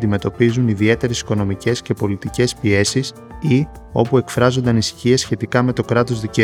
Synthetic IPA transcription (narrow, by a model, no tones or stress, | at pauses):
d̪ime̞t̪o̞pizuniðie̞t̪e̞ɾe̞si̥ko̞no̞mice̞sce̞po̞lit̪ice̞spie̞sis | i | o̞pue̞kfɾɐzo̞nd̪ɐnisçie̞sçe̞t̪ikɐme̞t̪o̞kɾɐt̪o̞zðice